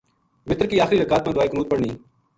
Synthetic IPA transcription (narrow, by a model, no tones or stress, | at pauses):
mɪt̪ɾkiːaːxɾiːɾəkaːt̪̚mãːd̪ʊaːeːkənuːt̪̚pəɽɳiː